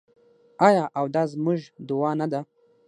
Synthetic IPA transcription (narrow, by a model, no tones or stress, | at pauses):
ɑjɑʔawd̪ɑzmuʒd̪ʊwɑnad̪a